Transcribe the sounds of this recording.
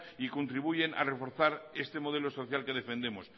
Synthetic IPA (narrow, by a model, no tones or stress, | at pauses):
ikont̪ɾiβ̞uje̞nʔa̰re̞fo̞ɾθaɾe̞st̪e̞mo̞ð̞elo̞so̞θjalke̞ðe̞fe̞nd̪e̞mos